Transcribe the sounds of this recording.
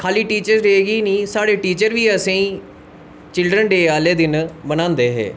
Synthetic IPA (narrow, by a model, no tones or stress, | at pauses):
kʰaːliːʈiːt͡ʃəɾɾeːɡiːnĩːsaːɽeːʈiːt͡ʃəɾʋiːəsẽĩː | t͡ʃɪlɖɾənɖeːaːleːd̪ɪnbənãːnd̪eːɦɛ̰ː